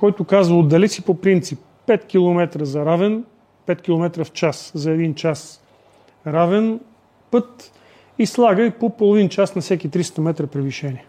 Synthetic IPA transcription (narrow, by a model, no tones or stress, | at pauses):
kɔjt̪ʊkazvəod̪ːɐlɛt̪sipopɾint̪sipːɛt̪kilˠomɛt̪ɾəzɐɾavɛn | pɛt̪kʲilˠomɛt̪ɾəft͡ʃaszɐɛd̪int͡ʃas | ɾavɛn | pɤt̪ | islˠaɡəipopolˠovint͡ʃasnɐfsɛkit̪ɾist̪əmɛt̪ɾəpɾɛviʃɛniɛ